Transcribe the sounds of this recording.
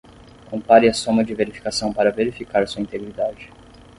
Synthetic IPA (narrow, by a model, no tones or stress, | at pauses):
kõmpaɾiɐsõũmɐd͡ʒɪveɾifi̥kasɐ̃w̃paɾɐveɾifikaɾɐsuɐĩt̪eɡɾid̪ad͡ʒɪ